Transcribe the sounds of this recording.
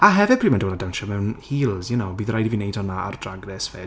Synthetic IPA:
aɦɛvɛd̥̚pʰriːmɛndɔwɛlˠadanʃɔmɛwnhiːlˠzjɛnowbiːðrajdivinejdɔnaa̰rdraɡnɛsfɛːd

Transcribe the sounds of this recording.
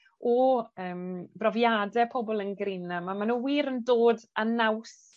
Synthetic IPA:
ɔəːmbrɔvjadɛpʰɔbɔlˠənɡrɪnamamanuwiːɾəndoːdanaws

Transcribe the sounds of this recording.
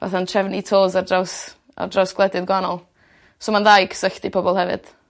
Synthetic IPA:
va̰θantʰɛvnitʰoːzardraws | a̰rdrawsɡ̥lˠɛdɪðɡwanɔlˠ | somanðajɡʰsəɬdipʰɔbɔlˠhɛvɨ̰d̥

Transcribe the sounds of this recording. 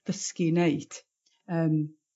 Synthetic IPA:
ðəskineɨd̥ | əːm

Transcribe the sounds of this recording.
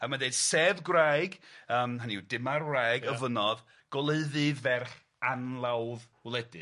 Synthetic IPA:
əmadeɨd̥seːvɡrajɡəːmɦaniwdɪmarrajɡəvənɔð | ɡ̥ɔlˠeɨðɨvɛrχ | anlˠawð | wlˠɛdɨ

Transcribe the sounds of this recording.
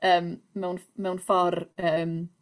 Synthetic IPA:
əːmmɛwnmɛwnfɔrəːm

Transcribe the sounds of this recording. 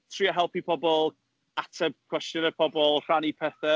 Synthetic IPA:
tʰriaɦɛlˠpipʰɔbɔlˠ | atʰɛb̥̚kʰw̥ɛstjənəpʰɔbɔlˠr̥anipʰɛθə

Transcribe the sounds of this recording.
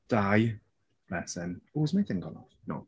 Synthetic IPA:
d̥aj | b̥lɛsə̃mowəzmaɪθɪ̃ŋɡɔ̃nɔ̰fno̰

